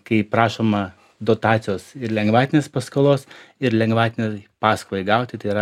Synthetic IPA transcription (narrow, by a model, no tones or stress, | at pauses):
kɐɪpɾɑːʃoːmɐ | d̪oːt̪ɑːt̪sʲɪjoːsɪɾlʲɛŋɡʋɑːt̪ʲɪnʲeːspɐskolˠoːsɪɾlʲɛŋɡʋɑːt̪ʲɪnʲepɑːskolˠɐɪɡɐʊt̪ʲɪt̪ɐɪiɾɐ